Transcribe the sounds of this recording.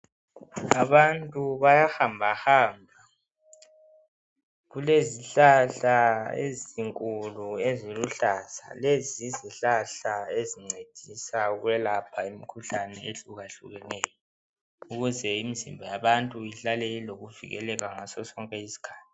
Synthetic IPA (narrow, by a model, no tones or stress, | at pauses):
aβantʼuβajahambʱahaːmbʱa | ɣuleziɬaɬaḛziŋkʼulueziluɬasa̰leziziɬaɬaeziŋ͡ǀed̥ʱisaɣwɛlapʰaimikʰuɬanɛeɬuɣaɬuɣɛnɛːjɔ | uɣuzɛimizimbʱɔjaβantʼuiɬaleliloɣuvḭɣɛ̰lɛɣaŋasɔsɔŋkʼɛisi̥kʰḁːtʰi